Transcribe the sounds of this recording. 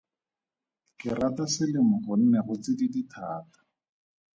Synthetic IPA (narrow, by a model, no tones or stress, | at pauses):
kɪratasɪlɪmʊχʊn̩nɛχʊt͡sɪdiditʰaːtḁ